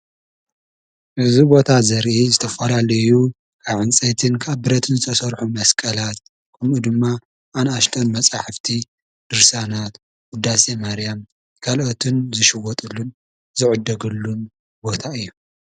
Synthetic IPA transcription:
ʔɨzibo̞t̪ʰazɐɾʔizɨt̪ʰɐfɐlalɐju | kʰaβʕɨnt͡sʼɐjt̪ʰɨnkʰaβbɨɾɐt̪ʰɨnzɨt̪ʰɐsɐɾħumɐskʼɐlat̪ | kʰʼɨmʔud̪ɨmːa | ʔanaʃt̪ʰʼɐnmɐt͡sʼaħɨft̪ʰi | d̪̥ɨɾsanat̪ | ɡud̪ːasemaɾijam | kʰalʔot̪ʰɨnzɨʃɨwɔt̪ʼɨlːun | zɨʕɨd̪ːɐɡɨlːun | bo̞t̪ʰaɨjːu

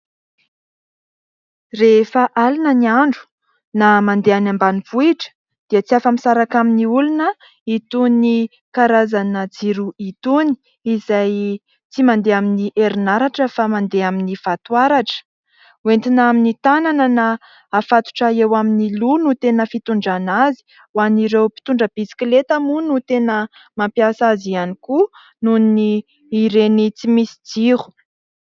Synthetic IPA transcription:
refəʔalinəniaɳɖ͡ʐu̥ | namand̪eanambaniv̥uiʈ͡ʂə̥ | d̪̥iət͡siafamisaɾakaminiulunə | it̪uni | kaɾazanəd͡ziɾuit̪uni̥ | izaj | t͡simand̪eaminiʔeɾinaɾaʈ͡ʂəfamand̪eaminifat̪uaɾaʈ͡ʂə̥ | went̪inaminit̪anananaː | fat̪u̥ʈ͡ʂaewaminilunut̪enəfit̪uɳɖ͡ʐanazi̥ | waniɾewpi̥t̪uɳɖ͡ʐəb̥isi̥klet̪amunut̪enə | mampiasazianiku | nunniː | ɾenit͡simisi̥d͡ziɾu̥

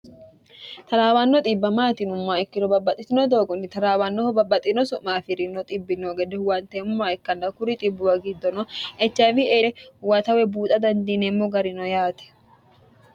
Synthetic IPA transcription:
t̪ɐlaːwɐnːɔt̪ʼɪbːɐmaːt̪ɪnʊmːaːɪkːɪd̪ɔbɐbːɐt̪ʼːɪt̪ɪnɔd̪oːɡɔnːɪt̪ɐlaːwɐnːɔhɔbɐbːɐt̪ʼɪnɔsʊʔmaːfɪɾɪnːɔt̪ʼɪbːɪnːoːɡɛd̪ɛwɐnt̪ɛmʊmːaːɪkːɐnd̪ɐkʊɾɪt̪ʼɪbːʊwɐɡɪd̪ːɔnɔɛt͡ʃːɐvɪeːɛwɐt̪ɐwɛbuːt̪ʼɐd̪ɐnd̪iːnemːɔɡɐɾɪnɔjaːt̪ɛ̥

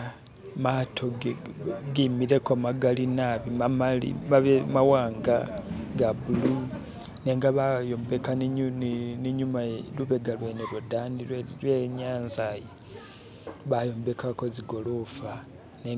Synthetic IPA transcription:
matʰo | ɡimiɾe̞komaɡalinaβimamalḭaβemawaːŋɡaɡaβulu | neːŋɡaβajombe̞kannniɲumaluβe̞ɡalweːnelwodaniwlwe̞ɲaːnzaje | βajo̞ːmbe̞kakoziɡo̞lofa | ne

